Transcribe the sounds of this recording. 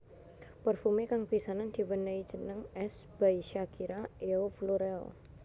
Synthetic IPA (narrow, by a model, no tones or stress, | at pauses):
pərfumekaŋpisanand̪̥i̤wənəidd͡ʒʒ̥ənəŋɛsb̥aiʃakiɾaʔeofloɾɛl